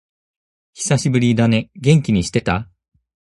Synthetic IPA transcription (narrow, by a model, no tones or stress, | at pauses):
çi̥saɕibɯɾʲid̪ane̞ɡẽ̞ŋkʲiɲ̟iɕi̥t̪e̞t̪a